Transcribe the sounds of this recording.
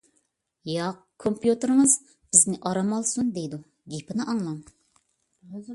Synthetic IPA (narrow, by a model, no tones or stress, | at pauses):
jɑq | kʰompjut̪ɨɾɨŋəz | b̥ɪznɪʔɑɾɑmɑlˠsund̪ejd̪u | ɡʲipʰɪnɨʔɑŋlˠɑm